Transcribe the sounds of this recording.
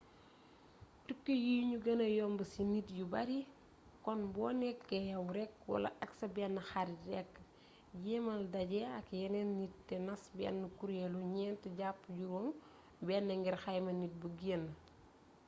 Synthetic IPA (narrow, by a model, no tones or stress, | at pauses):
tukːəjiɲuɡɐnɐjɔːmbəsinit̚jubɐɾi | kɔnbɔːnɛkːɛjɐwɾɛk̚wɐ̰lɐ̰ʔɐksɐbɛnːɐxaɾidɛkː | jɛːmɐldɐɟɛɐkjɛnɛnːit̚tɛnɐsbɛ̰nːɐkuɾjɛluɲɛːntɛɟapːɟuɾɔm | bɛːnːɐŋɡirxɐjmɐnit̚buɡiːnː